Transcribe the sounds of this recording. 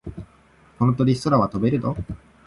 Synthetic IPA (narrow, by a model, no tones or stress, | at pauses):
hõ̞nt̪oɲ̟ʲisoɾaβat̪obe̞ɾɯ̟d̪o